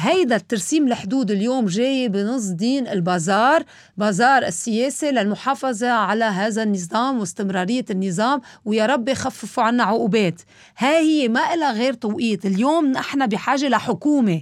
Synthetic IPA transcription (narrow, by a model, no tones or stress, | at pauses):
ɦajd̪at̪ːɑɾˤsiːmlħd̪uːd̪ɪljoːmʒeːjbɪnɨs̬ˤd̪iːnɪlbɑːzɑːɾˤ | bɑːzɑːɾˤʔɪ̰sːɪjeːsilalmʊħɑːfɑzˤɑʕalaɦaːðanːɨzˤɑːmwɪst̪ɪmɾˤɑːɾɪjːanːɨzˤɑːmwjaɾˤɑbːixafːɪfuʕanːaʕʊʔuːbeːt̪ | hahɪjːemaʔɪlːaɣeːɾt̪ˤɑwʔiːt̪ɪljoːmnɪħnabɪħaːʒelaħʊkuːme